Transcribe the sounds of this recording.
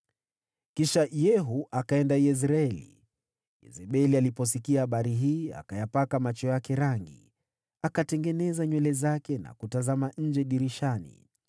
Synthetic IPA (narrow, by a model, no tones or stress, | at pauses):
kiʃajɛɦuʔakaɛndaɛs̬ɾaɛlḭ | jɛ̰zɛɓɛlialipɔs̬ikiahaɓaɾiɦiːa̰kajapakamat͡ʃɔjakɛɾaŋɡḭ | akatɛŋɡɛnɛzaɲwɛlɛzakɛna̰kutazamaɲ̩d͡ʒɛɗiɾiʃanḭ